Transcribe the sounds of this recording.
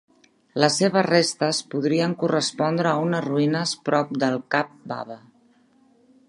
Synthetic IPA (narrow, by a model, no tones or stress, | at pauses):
ləsːeβ̞əzrest̪əspuðɾiəŋkurəspɔnd̪ɾəːunəzruinəspɾɔp̚d̪əlˠkap̚ba̰βə